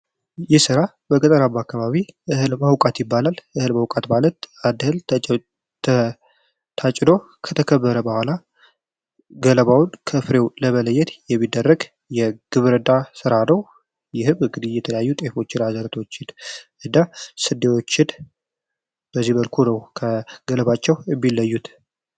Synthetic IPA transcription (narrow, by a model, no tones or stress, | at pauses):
jɪsɨɾa | bəkʼət̪ʼəɾabakːaβaβiʔɨhɨlmawkʼat̪jɪbːalalʔɨhɨlmawkʼat̪malət̪ad̪ɨhɨl | t̪ʰ | t̪ʰat͡ʃʼno̞ | kʰət̪ʰəkʰəbːəɾəbəhʷala | ɡələβawnkʰəfɾe̞wləmələjːɛt̪jɛmːid̪ːərːəɡ | jɛɡ̥ɨβɨɾɨd̪asɨɾanəw | jɪhɨβɨŋɡɨd̪ijɛt̪ʰələjajːut̪ʼe̞fo̞t͡ʃːɪɾazəɾt̪ʰo̞t͡ʃːɪd̪ | ɨd̪asɨd̪ːewot͡ʃːɪd̪ | bəzːihβəlkʰunəwkʰəɡ̥ələβat͡ʃːɛwmːilːəjːut̪